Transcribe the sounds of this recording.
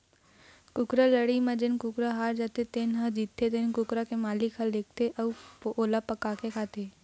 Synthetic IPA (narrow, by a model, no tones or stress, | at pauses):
kʊkɾaləɽimẽd͡ʒɪnkʊkɾaɦaːɾd͡ʒaːt̪et̪eːnɦəd͡ʒiːt̪ʰːet̪enkʊkɾakemaːlɪkɦald̪eːk̚ʰt̪eʔəoːlapəkaːkekʰaːt̪eː